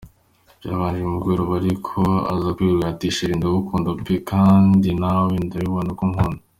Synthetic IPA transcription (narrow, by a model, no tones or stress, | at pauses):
jaβaːnd͡ʒiumuɡweɾoβaɾikʰoa̰zakwieatiʃiɾindoβukuːndopekʰaːndinawindajiβonokumhonda